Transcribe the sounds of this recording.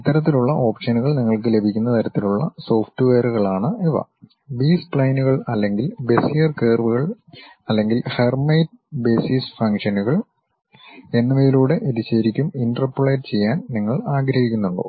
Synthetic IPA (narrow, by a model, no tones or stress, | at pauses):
it̪ːɐɾɐt̪ːiluɭːɐʔo̞ːpʂɐnuɣɐɭniŋːɐɭk̬ɨle̞bʱikʲːunːɐt̪ʰɐɾɐt̪ːiluɭːɐ̰so̞ːfʈɨʋeːruɣɐɭaːɳɨiʋɐ̰ | biːspɭɐjnuɣɐɭɐlːe̞ŋɡilbe̞sijɐrkeːrʋuɣɐɭ | ɐlːe̞ŋɡilhermɐjt̚ | be̞ːsisfɐŋkʂɐnuɣɐɭ | e̞nːɐʋejiluːɽe̞ʔeðit͡ɕːeːɾikʲːuminʈɐrpːuɭeːʈt͡ɕe̞jːaːnniŋːɐɭaːɡɾɐhikʲːunːuɳɖo̰ː